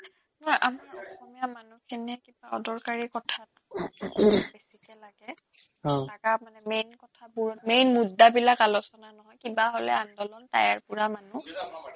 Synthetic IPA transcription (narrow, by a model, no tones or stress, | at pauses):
nɔjʔamaɹɔxɔmijamanukʰiniɦɛkibaɔ̰dɔɹkaɹikɔtʰat | besikɛlaɡɛ | ɔtakamanɛmejnkɔtʰabuɹɔtmejnmudːabilakalɔsɔnanɔɦɔjkibaɦolɛ̰andɔlɔnta̰jaɹpuɹamanu